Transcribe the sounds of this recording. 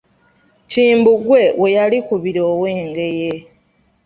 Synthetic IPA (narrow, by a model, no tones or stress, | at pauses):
ciːmbuɡwe̞we̞jalikuβiɾo̞ːwe̞ːŋɡe̞je̞